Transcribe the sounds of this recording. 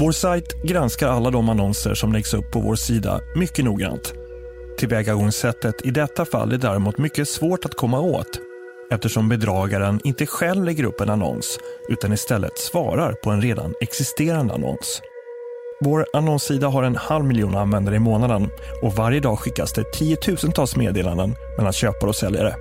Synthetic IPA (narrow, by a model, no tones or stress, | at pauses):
voːɾsajt̪ɡɾanskaɾalːad̪ɔmanɔnsə̰ʂɔmlɛɡsɵpːɔvo̰ːʂiːd̪a̰mʏkːənuːɡɾa̰nt̪ʰː | ɪlvɛːɡaɡɔŋsɛt̪ːət̪ʰɪd̪ɛt̪ːafa̰lːʔæɖæɾɪmuːt̪mʏkːəsvoːʈat̪kʰɔmːao̰ːt̪ | ɛft̪əʂɔmbɛd̪ɾɑːɡaɾənʔɪnt̪əɧɛlvlɛɡəɾɵ̰pːɛnanɔ̰nsʔʉ̟ːt̪anɪst̪ɛlːʔə̰t̪svɑ̰ːɾaɾpʰɔɛnɾeːd̪a̰nɛksɪst̪eːɾand̪ə̰a̰nɔ̰ns | voːɾanɔnsiːd̪aɦaɾɛnhalvmɪljuːnanvɛnd̪aɾəɪmoːnad̪ənɔvaɾjəd̪ɑːɡɧɪkːasd̪ɛt̪ʰiːət̪ʰʉ̟ːsənt̪ʰɑːlsmeːd̪eːla̰nd̪ən | mɛlːanɕøːpaɔsɛlja̰ɾə̰